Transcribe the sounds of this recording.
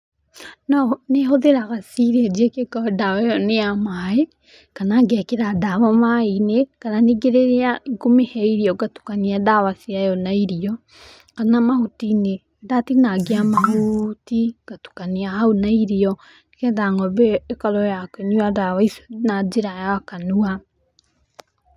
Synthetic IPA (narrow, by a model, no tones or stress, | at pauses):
nɔnehoðeɾaɣasiɾeɛd͡ʒiɛkekadawajɔneamae | kanaŋɡɛkeɾadaβamainekananeɡeɾeɾeaɡomehɛiɾiɔɡatu̥kaniadawasiajɔnaiɾiɔ | kanamahutine | datinaɡeamaɦutiɡ̥atu̥kaniaɦaonaiɾiɔ | nkɛðaŋɔbɛekaɾɔjakeniadawaisnad͡ʒeɾajaakanua